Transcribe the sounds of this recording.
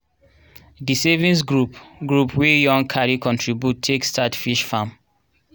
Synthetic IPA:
disɛvĩnsɡɹupɡɹupwijɔ̃ŋkʰaɹikʰɔ̃ntʰɹibjutʰːekstatfiʃfãm

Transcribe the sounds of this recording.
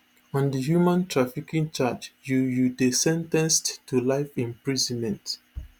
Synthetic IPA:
ɔ̃ndəɦjumãntʰɹafikĩŋt͡ʃat͡ʃjujudesɛ̃ntɛ̃nsttʰːulaɪfĩmpɹizɔ̃nmɛ̃nt

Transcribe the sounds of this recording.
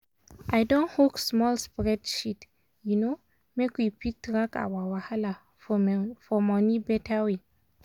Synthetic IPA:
ʔajdɔ̃nhoksmɔlspɹɛdʃit | juno | mekwipʰik̚tɹaka̰wawahala | fɔmɔnibɛtʰawe

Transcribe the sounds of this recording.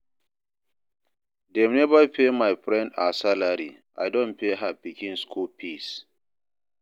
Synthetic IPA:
dɛmnɛbapʰemajfɹɛ̃ndasalaɾi | ʔa̰jdɔ̃npeɦapikĩnskʰulpʰis

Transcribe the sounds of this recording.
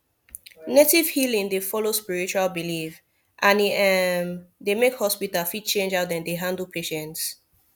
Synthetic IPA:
netiv̥hilĩŋdefɔlospiɹit͡ʃualbilif | ʔãniɛmdemekhɔspitalfid̚t͡ʃẽnd͡ʒaʊt̚dɛ̃ndeɦãndl̩ˠpʰeʃɛ̃nts

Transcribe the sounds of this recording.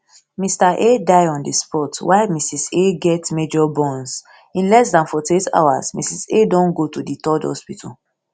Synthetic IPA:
mistaʔedaɪɔ̃ndispɔtwaɪmisiseɡɛtmed͡ʒɔbɔ̃ns | ĩnlɛs̬dãnfɔteta̰asmḭsisedɔ̃nɡotuditɔdhɔ̰spitʰa̰

